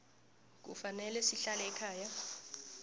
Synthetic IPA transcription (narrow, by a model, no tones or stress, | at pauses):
k̬ufanɛlɛsiɬalɛɛkʰaːja